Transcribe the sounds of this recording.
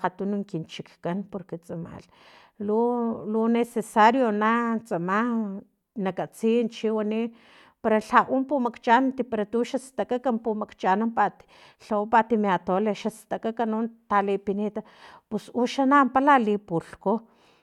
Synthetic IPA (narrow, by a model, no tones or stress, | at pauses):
qat̪unuŋkint͡ʃikkanpoɾket͡sʼama̰l | lulunesesaɾjonat͡sʼama | nakat͡siːnt͡ʃiwani | paɾaɬaʔumpumakt͡ʃʼant̪ipaɾat̪uʃast̪akakampumakt͡ʃanampat̪i̥ | ɬaupat̪imeat̪oleʃast̪akakanunt̪alepinet̪a | pesuʃanampalalipulko